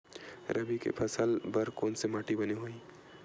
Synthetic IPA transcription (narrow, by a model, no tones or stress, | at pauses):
ɾəbikḛpʰəsəlbəɾkoːnsemaːʈibəneɦoi